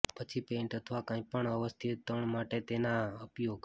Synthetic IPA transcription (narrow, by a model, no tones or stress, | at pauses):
pət͡ʃʰipẽɳʈət̪ʰʋakãĩpəɳəʋəst̪ʰit̪t̪əɳmaʈet̪enaəpjoɡ